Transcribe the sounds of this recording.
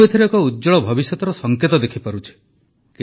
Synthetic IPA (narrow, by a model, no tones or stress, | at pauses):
et̪ʰiɾekɔudd͡ʒɔɭɔbʱɔbisjɔt̪ɔɾɔsɔŋket̪ɔd̪ekʰipaɾut͡ʃʰi̥ | ki